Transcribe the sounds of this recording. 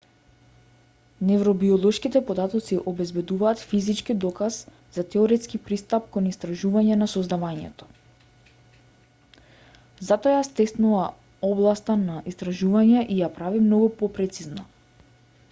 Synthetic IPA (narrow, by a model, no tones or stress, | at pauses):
nɛvɾɔbiɔlˠɔʃkit̪ɛpɔd̪at̪ɔt̪siʔɔbɛzbɛd̪uvaːt̪fizit͡ʃkid̪ɔkaz | z̥at̪ɛɔɾɛt̪skipɾist̪ap̚kɔnist̪ɾaʒuvaɲɛnasɔzd̪avaɲɛ̰t̪ɔ̥ | zat̪ɔajast̪ɛst̪nuva | ɔblˠast̪anaʔist̪ɾaʒuvaɲɛʔijapɾavimnɔɡupɔpɾɛt̪sizna